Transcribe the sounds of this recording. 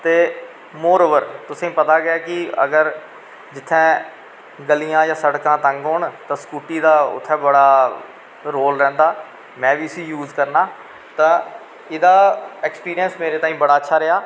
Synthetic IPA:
t̪eː | moːɾoːʋəɾt̪ʊsẽːpət̪aːɡɪjaːkɪə̰ɡəɾ | d͡ʒɪt̪ʰːɛ̃ː | ɡəlijãːjãːsəɽkãːt̪ə̃ŋɡɦoːɳt̪ãːskuːʈiːd̪aːʊ̰t̪ʰːɛ̃ːbəɽaː | ɾoːlɾɛ̃ːnd̪aː | mɛ̃ːʋiːəsiːjuːzkəɾnaː | t̪ãː | ɪd̪aːɛːkspiːɾijənsmeːɾeːt̪aːĩːbəɽaːətːʃʰaːɾɪaː

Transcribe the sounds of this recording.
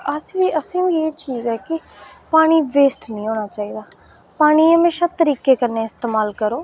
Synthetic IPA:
əsʋiːʔəsĩːieːt͡ʃiːzɛːkɪ | paːɽ̃iːʋeːsʈnĩːɦoːnaːt͡ʃaːiːd̪aː | paːɽ̃iːəmeːʃaːt̪əɾiːkeːkəɾneːɪst̪eːmaːlkəɾoː

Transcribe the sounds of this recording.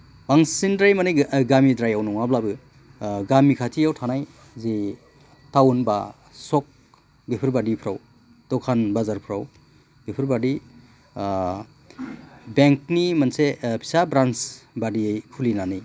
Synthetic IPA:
baŋsindɾajmanɯjɡamidɾajawnuŋablabɯ | ɡamikʰatʰijawtʰanaj | zi | tawnba | sɔk̚ | bipʰiɾbadipʰɾaw | dɔkʰanbazaɾpʰɾaw | b̥ipʰiɾbadi | beŋk̚nimansepʰi̥sabɾansbadiejkʰulinanij

